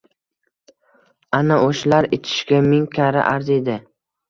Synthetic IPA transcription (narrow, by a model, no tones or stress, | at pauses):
anaʔoʃlaɾɪt͡ʃʰɪ̥ʃkʲamɪŋkʲʰaɾa̰ʔaɾzed̪ɪ